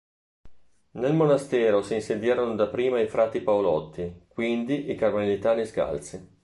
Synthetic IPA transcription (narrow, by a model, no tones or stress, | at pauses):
nelmonast̪ɛːɾosiːnsed̪jaːɾonod̪apɾiːmaifɾaːt̪ːipaolɔt̪ːikwind̪iʔikarmanlit̪aːniska̰lt̪si